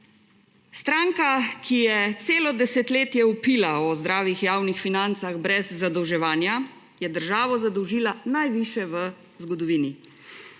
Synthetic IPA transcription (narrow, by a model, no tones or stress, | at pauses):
st̪ɾaːŋkakʰijɛt̪seːlɔd̪ɛsɛt̪leːt̪jɛupiːlaɔzd̪ɾaːʋixjaːwnixfinant̪saɣbɾɛzːad̪ɔwʒɛʋaːnja | jɛd̪əɾʒaːʋɔzad̪ɔwʒiːlanajʋiːʃjɛʋə | zɡɔd̪ɔʋiːni